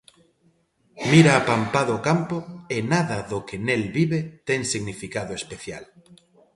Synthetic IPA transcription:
miɾaːpampaðoːkampoenaðaðokenelβiβet̪eŋsiɣnifikaðoespeθja̰l

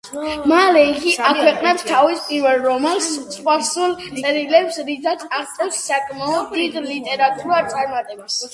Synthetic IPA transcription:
malɛiɡiakʰwɛqʼnɛpst̪ʰavispʼiɾvɛlˠɾɔmɛlˠssqʼwaɾsulˠt̪ʼɛɾilɛpsɾisʰat̪sʰaχt̪sʼɛlsːakʼmaɔbɾid̪lit̪ʼɛɾat̪ʼuɾat̪sʼaɾmat̪ʼɛbas

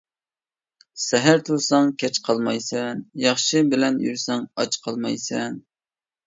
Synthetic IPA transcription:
sɛɦæɾt̪ʰuɾsɑŋkʲʰɛt͡ʃqʰɑlˠmɑjsɛnjɑχʃɨbɪlɛnjy̰ɾsɛŋɑ̰t͡ʃqʰɑlˠmɑjsɛn

